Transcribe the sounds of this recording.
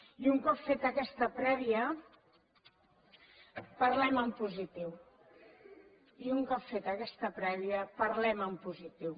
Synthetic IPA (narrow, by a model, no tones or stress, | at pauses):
iuŋkɔpfet̪əkɛst̪əpɾɛβiə | pəɾlɛməmpuzit̪iw | iuŋkɔpfet̪əkɛst̪əpɾɛβiəpəɾlɛməmpuzit̪iw